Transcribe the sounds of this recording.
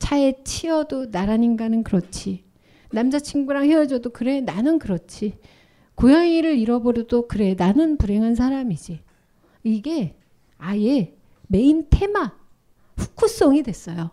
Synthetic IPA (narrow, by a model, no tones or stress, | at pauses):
t͡ɕaet͡ɕʰiʌdonaɾaɲinɡanɯnkɯɾʌt͡ɕʰi | namd͡ʑat͡ɕʰiŋɡuɾaŋheʌd͡ʑʌdokɯɾe̞nanɯnkɯɾʌt͡ɕʰi | kojʌŋiɾɯɾiɾʌboɾʌdokɯɾe̞nanɯnpuɾe̞ŋɦans̬ʰaɾamid͡ʑi | iɡe̞ | aie̞ | me̞intʰe̞ma | ɸu̥kʰus͈oŋidwe̞s͈ʌjo